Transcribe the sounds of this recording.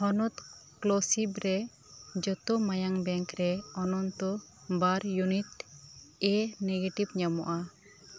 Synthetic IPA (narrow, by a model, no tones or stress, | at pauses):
hɔnɔt̪klɔsibɾɛ | d͡ʒɔt̪ɔmajaŋbɛŋkɾɛɔnɔnt̪ɔ | baɾjunit̪ | ɛneɡeʈibɲamɔ̰ʔa